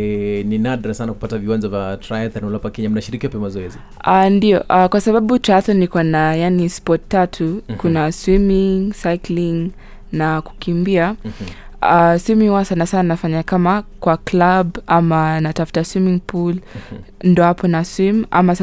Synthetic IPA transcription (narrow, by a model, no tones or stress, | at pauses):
ninaɗɾasanaku̥pataviwand͡ʒavjatɾajaθanɔlapakɛɲam̩naʃiɾikiwapɛamazɔɛzi | andijɔʔakwasaɓaɓutɾajaθɔnikwanajanispɔttːatʰukunaswimiŋsajkliŋ | naku̥kimbia | aswimiŋwasanasaanafaɲakamakwaklaɓamanatafu̥taswimiŋpʰulndɔhapɔnaswima̰masa